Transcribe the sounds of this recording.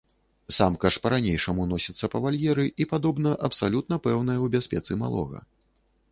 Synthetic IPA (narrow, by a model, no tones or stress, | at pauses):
samkɐʂpɐɾanʲejʂɐmunɔsʲit̪sːɐpɐvalʲjɛɾɨʔipad̪ɔbn̪ɐʔɐpsalʲut̪̚nɐpɛwn̪ɐjɐwbʲasʲpʲɛt̪sɨma̰lˠɔ̰ɣɐ̰